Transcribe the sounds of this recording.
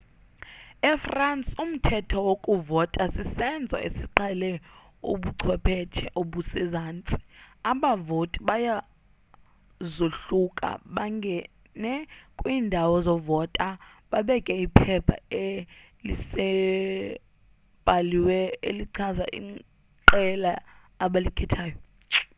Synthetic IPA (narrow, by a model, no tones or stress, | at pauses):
ɛfrant͡sʼum̩tʰɛtʰɔwokʼuvɔtʼasisɛnd͡zʱwa̰ḛsiǀɛlɛ | ṵɓuǀʰwɛpʰɛt͡ʃʰɛʔoɓusizaːnt͡sʼi̥aɓavotʼiɓaja | zoɬukʼa̰ɓaŋɡʱɛ | nɛkʼwiːndʱawɔzɔvɔtʼa | ɓaɓɛkʼɛipʰɛpʰa̰e | lisɛ | ɓaliwɛeliǀʰaza̰ʔḭ | ǃɛlaː | ɓalikʰɛtʰaːjɔ